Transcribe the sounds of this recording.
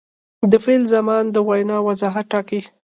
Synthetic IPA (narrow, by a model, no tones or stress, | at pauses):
d̪əfelzamɑnd̪əwajnɑwazɑɦaʈːɑki